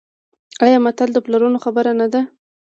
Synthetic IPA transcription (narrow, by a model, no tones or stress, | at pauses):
ajamat̪ald̪əplaɾunoxabəɾanad̪a